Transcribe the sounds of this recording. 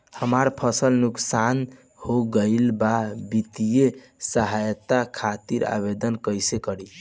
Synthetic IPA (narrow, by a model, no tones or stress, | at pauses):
həmaɾpʰəsəlnuksan | hoɡəɪlbabit̪ije | səɦajt̪akʰat̪iɾa̰bed̪ənkəjsekəɾi